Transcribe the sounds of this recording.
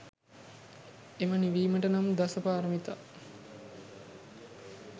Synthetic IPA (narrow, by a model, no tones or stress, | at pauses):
eməniʋiːməʈənamd̪asəpaːɾəmit̪a